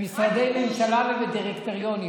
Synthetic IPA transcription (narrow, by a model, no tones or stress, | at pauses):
misad̪ejmemʃalaveved̪iʁekt̪oʁijoni